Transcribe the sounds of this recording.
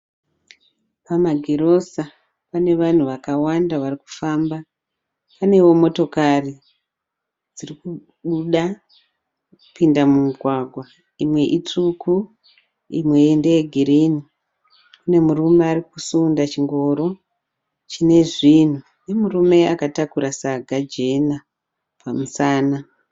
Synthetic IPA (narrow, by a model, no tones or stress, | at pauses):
pamaɡʱeɾo̞sa | pane̞ʋan̤uʋakawandaʋariku̥famba | pane̞wo̞mo̞to̞kari | d͡ziriku | ɓuɗa | pindamumiɡʱwaɡʱwa | imwe̞ʔitukʰu | imwe̞ːnde̞jeɡʱiɾini | kune̞murume̞arikusundat͡ʃiŋɡo̞ɾo̞ | t͡ʃine̞ʐin̤u | ne̞murume̞akatakuɾasaɡʱad͡ʒe̞na | pʰamusaːna